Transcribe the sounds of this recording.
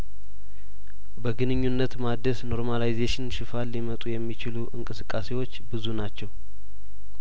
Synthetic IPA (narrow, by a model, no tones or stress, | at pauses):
bəɡɨnɨɲːunːət̪mad̪ːəsno̞ɾmalajzeʃɪnʃɪfalːimət̪ʼujɛmːit͡ʃɪluʔɨŋkʼɨsɨkʼːase̞wo̞t͡ʃːbɨzunat͡ʃːɛw